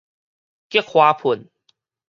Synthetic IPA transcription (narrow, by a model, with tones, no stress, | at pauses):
ki˦˥ək̚hwaː˧pʰu˨˩n